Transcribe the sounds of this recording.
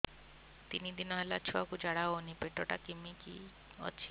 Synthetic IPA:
t̪inid̪inɔɦelat͡ʃʰuakud͡ʒaɽaonipeʈɔʈakimikḭ | ɔ̰t͡ʃʰi̥

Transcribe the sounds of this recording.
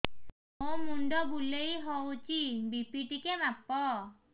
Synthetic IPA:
omunɖɔbulejɦɔt͡ʃibipiʈikɛnapɔ

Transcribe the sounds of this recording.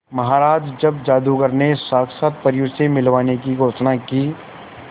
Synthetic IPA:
mɐɦaːɾaːd͡ʒd͡ʒɐbd͡ʒaːd̪uɡəɾnesaːksət̪̚pɐɾjʊsemɪlʋaːnekiɡoːt͡ʃnakiː

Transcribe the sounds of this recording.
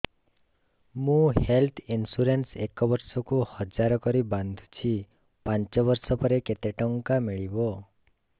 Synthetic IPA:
mũhelt̪ʰinsuɾensekɔbɔɾsɔkuhɔd͡ʒaɾɔkɔɾiband̪ʱut͡ʃʰi | pant͡ʃɔβɔɾsɔpɔɾeket̪eʈɔŋkamiɭibɔ

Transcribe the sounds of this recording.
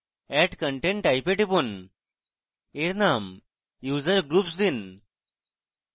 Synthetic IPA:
ɛʈkəɳʈẽɳʈajpeʈipun | eɾnam | juːzəɾɡɾupsd̪in

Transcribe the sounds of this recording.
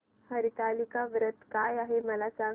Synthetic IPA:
həɾit̪aːlikaʋɾət̪kaːjaɦemɐlasaː

